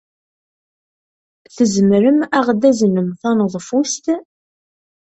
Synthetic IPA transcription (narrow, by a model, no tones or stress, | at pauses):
θəzmɾəmæʁd̪æznəmθɑnəðˤfust̪